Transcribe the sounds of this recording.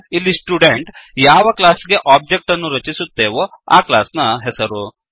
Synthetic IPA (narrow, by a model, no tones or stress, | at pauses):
ilːisʈjuːɖeɳʈjaːʋɐklaːsɡeʔaːb̚d͡ʒek̚ʈɐnːuɾɐt͡ʃisut̪ːeːʋo | a̰ːkla̰ːsnɐɦesɐɾo